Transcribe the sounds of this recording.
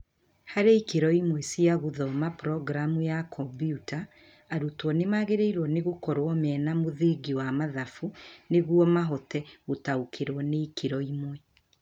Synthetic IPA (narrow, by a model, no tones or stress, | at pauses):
haɾeikeɾɔimwɛsiaɣuðɔmapɾɔɡɾamujakʰɔmbjutaː | ɾutwɔnemaɣeɾeiɾwɔneɣokɔɾwɔmɛːnamoðeːɡiwamaðafuneɣwɔmaɦɔtɛɣotaukʰeɾwɔneikʰeɾɔimwɛ